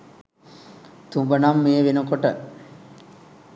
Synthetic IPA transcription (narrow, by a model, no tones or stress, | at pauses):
t̪umbənamːeːʋenukoʈə̰